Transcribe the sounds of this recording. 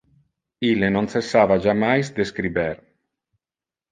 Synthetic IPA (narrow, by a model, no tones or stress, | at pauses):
ilenonsesːaːvad͡ʒamajsd̪eskɾibɛɾ